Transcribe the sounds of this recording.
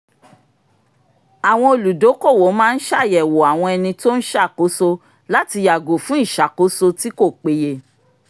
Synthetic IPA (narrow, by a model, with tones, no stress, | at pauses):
a˨w̃ɔ̃˧o˧˨lu˨do˨˦ko˦˨wo˨˦mãː˦n̩˦ʃa˦˨jɛ˨wo˨a˨w̃ɔ̃˧ɛ˧nĩ˧to˦n̩˦ʃa˦˨ko˨˦so˧ | la˦ti˧ja˨ɡo˨fũ˨˦i˦˨ʃa˨ko˨˦so˧ti˦ko˦˨k͡pe˧je˧